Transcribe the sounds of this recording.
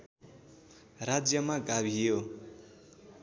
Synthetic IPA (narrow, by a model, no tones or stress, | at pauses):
rad͡zjʌmaɡabʱijo